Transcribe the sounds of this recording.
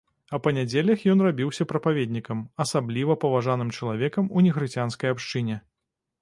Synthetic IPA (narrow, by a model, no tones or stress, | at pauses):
ɐpɐnʲad͡zʲelʲɐxjɔnrabʲiwsʲɐpɾɐpavʲed̪ʲnʲikɐmɐsablʲivɐpɐvaʐanɨmt͡ʂɐlˠavʲɛkɐmunʲɛxɾɨt͡sʲanskɐjapʂt͡ʂɨnʲɛ